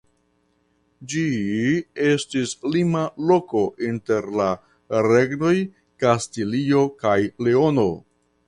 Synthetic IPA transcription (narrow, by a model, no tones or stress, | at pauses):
d͡ʒi | e̞stislimalo̞ko̞ʔinte̞ɾla | ɾe̞ɡno̞j | kastilio̞kajleono̞